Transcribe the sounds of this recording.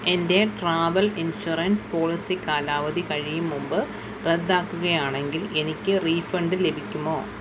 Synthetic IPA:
e̞nde̞ʈraːʋɐlinɕurɐnspoːlisikːaːlaːʋɐd̪ʱikɐɻijumːumbɨ | red̪ːaːkːuɣɐjaːɳe̞ŋɡile̞nikʲːɨriːfɐɳɖɨle̞bʱikʲːumoː

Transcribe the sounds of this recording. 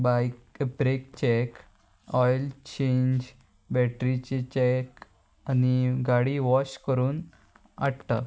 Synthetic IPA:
bajkbɾek̚t͡ɕek | ɔjlt͡ɕẽɲd͡ʑ | bɛʈɾit͡ɕet͡ɕɛk | aniɡaɽiʋɔɕkəɾuːn | a̰ɽt̪a

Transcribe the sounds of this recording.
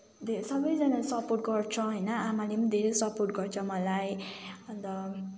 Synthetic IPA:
d̪ʱesʌbʌjd͡zʌnasʌporʈ̚ɡʌrt͡sʰʌ̃ɦʌjnʌamalemʌd̪ʱeɾejsʌporʈ̚ɡʌrt͡sʰʌmʌlajʌnd̪ʌ

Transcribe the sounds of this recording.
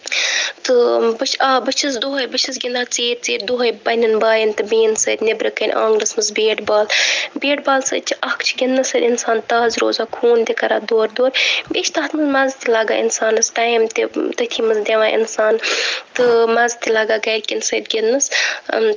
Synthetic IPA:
t̪ɨbɐt͡ʃʰaːbɐt͡ʃʰis̬d̪oɦɐjbɐt͡ʃʰis̬ɡʲind̪aːt͡siːɾʲt͡siːɾʲd̪oɦɐjbɐnʲɐnbaːjint̪ɨbiːnsɐɾʲnebɾɐkɐnʲã̰ːŋɡnɐsmɨsbeːʈbaːlbʲeːʈ̚baːlsɐ̰t͡ʃʰiʔɐkʰt͡ʃʰiɡʲinːɨsɐɾʲinsaːnt̪aːzɾo̰ːzaːkʰuːnd̪ekɐɾaːd̪oːɾd̪oːɾʲbʲeːt͡ʃʰt̪ʰaːt̪ʰmɨzmɐzt̪ʰʲilaːɡa̰ːḭnsaːnɨsʈaːjmt̪it̪ɐt̪ʰiːmɐzd̪ʲeʋaːʔḭnsaːnt̪ɨmɐzt̪ʲilaːɡaːɡɐɾʲkʲinsɐd̪ɡʲinnɨs

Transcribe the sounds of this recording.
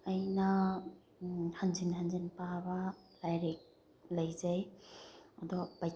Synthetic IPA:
ajna | hanzinhanzinpabalajɾek̚ | lajzaj | aduabaj

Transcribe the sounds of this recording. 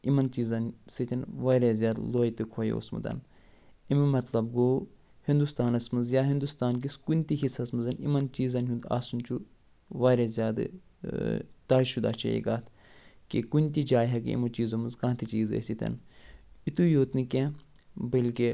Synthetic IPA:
imɐnt͡ʃiːzɐnsit̪ʰʲɐnʋaːɾezʲjaːd̪loːit̪ɨkʰoːj̰o̰ːsmṵt̪ɐ̰n | immɐt̪lɐbɡoː | hind̪ust̪aːnɐsmɐzjaːɦind̪ust̪aːnk̬iskunʲt̪iɦisɐsmɨzɐnḭmɐnt͡ʃiːzɐnɦʲũnd̪a̰ːsunt͡ʃu | ʋaːɾezʲjaːd̪ɨ̰ | t̪aːʃud̪a̰ːt͡ʃʰɐ̰jḭɡaːt̪ʰ | kikunʲt̪id͡ʒaːjɦɐkḭḭmɐt͡ʃiːzɐmɨzkãːt̪ʰit͡ʃiːzḛsit̪ʰʲɐ̰nit̪ujoːt̪nɨkʲẽ | bɐlke

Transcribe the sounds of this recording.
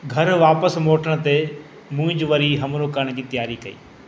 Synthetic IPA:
ɡʱɐɾʋaːpəsmoːʈʰəɽ̃̆t̪e | mũːɪ̃d͡ʑʋɐɾiɦɐmɾokɐɾɽ̃d͡ʑiːt̪ɐjaːɾikɐḭː

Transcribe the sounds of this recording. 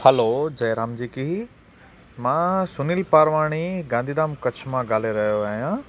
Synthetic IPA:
həlod͡ʑɐːɾaːmd͡ʑiːki | mãːsʊnilpaːɾʋaːɽ̃iɡãːnd̪ʱiːd̪aːmkɐt͡ɕʰmãɡaːl̤eɾɐɦijoaːɦijãː

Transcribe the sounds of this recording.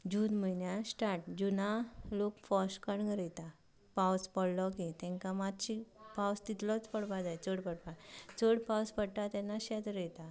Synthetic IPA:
d͡ʑud̪mənjasʈaʈ̚d͡ʑunalokfɔɕkəɳɡɾəjt̪a | pawspəɽlɔkit̪ɛ̃ŋkamat̪ɕipawst̪it̪lɔt͡spəɽpad͡zajt͡səɽpəɽpat͡səɽpawspəɽʈat̪ɛnːaɕɛt̪ɾəjt̪a

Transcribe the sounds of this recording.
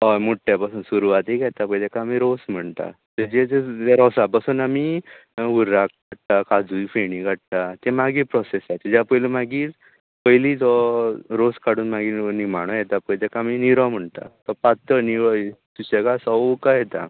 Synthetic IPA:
ɔmoʈʰːjapasuːnsuɾuʋat̪ekɛt̪apəjt̪ɛkaːmiɾosm̤əɳt̪a̰ | t̪ed͡ʑet̪eaɾɔsapasuːnami | uɾːak̚ɡaɽt̪akad͡zujfeɽ̃ĩɡʱaʈ̚t̪at̪emaɡiːpɾɔsesajt̪ed͡ʑjapəjlimaɡiːt͡s | pəjliːd͡zɔɾoskaɽuːnmaɡiːnimaɽ̃ɔjet̪apəjt̪ɛkaaminiɾɔ̃m̤əɳt̪a̰t̪ɔpat̪əniɭɔsuɕekasɔwkajet̪a̰

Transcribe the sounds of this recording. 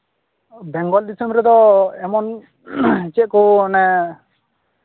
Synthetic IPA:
bɛŋɡɔld̪isɔmbɾɛd̪ɔɛmɔn | t͡ʃɛʔ̪̚kɔnɛ

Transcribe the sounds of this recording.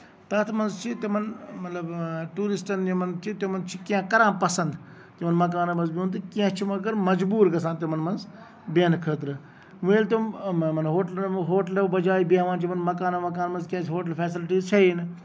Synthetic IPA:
t̪ɐt̪ʰmɐnzt͡ʃʰit̪imɐnmɐt̪lɐbʈuːɾisʈɐnimɐnt͡ʃʰit̪emɐnt͡ʃʰikãkɐɾãːpɐsɐ̃nd̪ | t̪imɐnmɐkaːnɐmɐ̃nzbiũnt̪ɨkiãt͡ʃʰimɐkɐɾmɐd͡ʒbuːɾɡɐsãːnt̪imɐnmɐnz | benkʰəːt̪ɾɨ | ʋueːlt̪ommɐnɦoːʈɐlɦoːʈɐlɐbɐd͡ʒaːibãːʋãːnt͡ʃʰimɐnmɐkaːnɐmɐk̬aːnmɐnzkʲjãːt͡ʃʰɦoːʈɐlpʰɛːsɪlʈiːzt͡ʃʰɐin

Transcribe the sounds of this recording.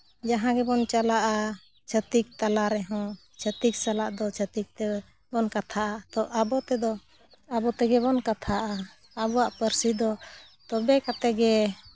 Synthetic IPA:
d͡ʒaɦãɡɛbɔnt͡ʃalaʔa | t͡ʃʰət̪ik̚t̪alaɾɛɦɔ̃ | t͡ʃʰət̪ik̚salaʔd̪ɔt͡ʃʰət̪ik̚t̪ɛ | bɔnkat̪ʰaʔat̪ɔʔabɔt̪ɛd̪ɔ | abɔt̪ɛɡɛbɔnkat̪ʰaʔaː | bɔaʔpəɾsid̪ɔ | t̪ɔbɛkat̪ɛɡɛ

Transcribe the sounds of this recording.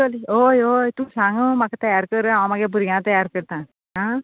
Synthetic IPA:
aliojojt̪umsãŋɡə̃maket̪ɐjaɾkəɾamaɡebuɾiɡãt̪ɐjaɾkəɾt̪ã | ɦã

